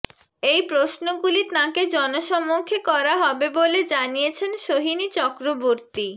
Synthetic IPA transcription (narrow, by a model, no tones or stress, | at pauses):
ejpɾoʃnoɡulit̪ãked͡ʑɔnoʃɔmːokʰekɔɾaɦɔbeboled͡ʑanijet͡ɕʰenʃoɦinit͡ɕɔkɾoboɾt̪i